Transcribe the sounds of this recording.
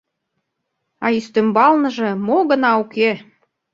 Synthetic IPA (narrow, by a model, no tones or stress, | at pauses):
ɑ̰yst̪ømbɑlnə̆ʒĕmoɣə̆nɑuke